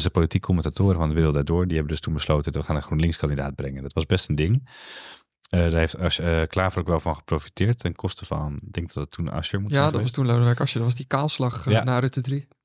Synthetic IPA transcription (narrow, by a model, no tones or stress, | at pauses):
sdəpolitikʰːoməntatoːɾəvɑndəʋɪːɾlˠtdaːɹdʊːɹdiɦɛbəndɵstunbəslowtənʋəχaːnəχoːnlɪŋskɑndida̰ːt̚brɛŋəndɔtʋɑzbɛstəndɪŋ | ədaːɦejftaʃəklaːfərokʋɛlˠvɑnχə̥prowfi̥tɪːɹtɛnkʰɔstəfɑ̰ndɛŋk̚dɔtətʰːuna̰ʃəmutjadɔʋɑstunlodɛjkɑʃədɔʋɑzdikaːlˠslɑχjanaːrøtədri